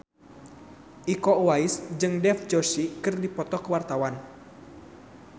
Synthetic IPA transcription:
ʔikɔwaisd͡ʒɨŋdɛfd͡ʒosikɨrdipɔt̪ɔkəwart̪awan

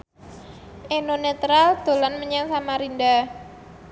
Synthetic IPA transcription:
ʔenonet̪ɾald̪̥o̤lanməɲaŋsamaɾinda

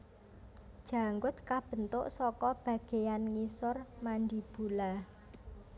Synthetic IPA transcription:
d̥ʒ̥a̤ŋɡʊt̪̚kab̥ə̤nt̪ʊ̰ʔsɔkɔb̥ä̤ɡ̥e̤janŋisʊrmandib̥ṳla

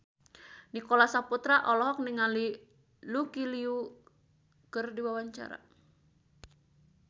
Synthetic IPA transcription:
nikolasaput̪ɾaʔɔlɔɦɔk̚niŋali | lukiliu | kɨrdiwawaɲt͡ʃa̰ɾa̰

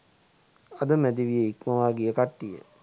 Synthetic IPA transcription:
ad̪əmæd̪iʋijeikməʋaːɡijəkaʈːijə̰

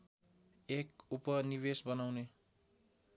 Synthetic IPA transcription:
ekupʌniβesbʌnawne

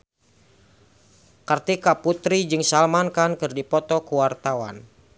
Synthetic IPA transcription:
kart̪ikaput̪ɾid͡ʒɨŋsalmankankɨrdipɔt̪ɔkuwart̪awa̰n

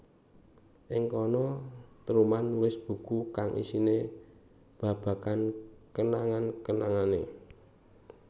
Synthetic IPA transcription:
ʔɪŋkɔnɔt̪əɾumanːulɪsb̥ṳkukaŋʔḭsine | b̥a̤b̥a̤kankənaŋankənaŋane

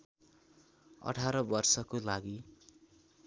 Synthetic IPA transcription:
ʌ̰ʈʰaɾʌbʌrsʌkolaɡi

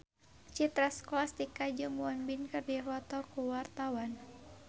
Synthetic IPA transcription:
t͡ʃit̪ɾasklast̪ikad͡ʒəŋuɔnbinkərdiwat̪ɔkuwart̪awan

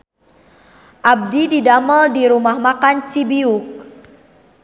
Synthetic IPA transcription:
ʔab̚dididaməldiɾumahmakant͡ʃibiuk̚

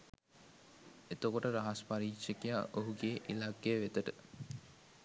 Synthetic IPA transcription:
et̪okoʈəɾaɦaspaɾiːkʃekija̰ʔoɦuɡeʔilaɡːejəʋet̪əʈə

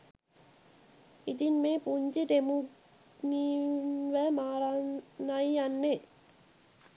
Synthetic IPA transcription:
it̪inmeːpuɲd͡ʒiʈ̪emu | niʋəmaːɾanajanːe

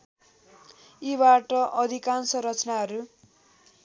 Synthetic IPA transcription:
ibaʈʌʔʌd̪ʱikansʌɾʌt͡snaɦʌɾu

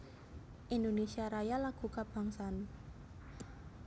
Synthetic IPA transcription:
ʔind̪onesiaɾajalaɡ̥ṳkab̥a̤ŋsan

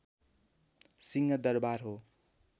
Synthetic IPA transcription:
siŋʌd̪ʌrbarɦo

